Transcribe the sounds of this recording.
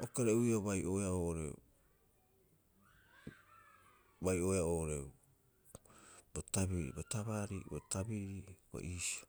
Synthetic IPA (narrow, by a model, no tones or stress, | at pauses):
okeɾeuioβajʔoeaoːoɾe̞̰ṵ | bajo̞ːeaoːʔoɾeu | botaβiɾḭbotaβaɾḭbo̰tabiɾibo̰ʔiːso